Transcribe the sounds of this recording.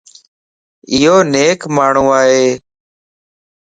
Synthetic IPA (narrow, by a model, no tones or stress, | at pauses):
ɪɦoːneːkmaːɳ̤ũːaːɦeː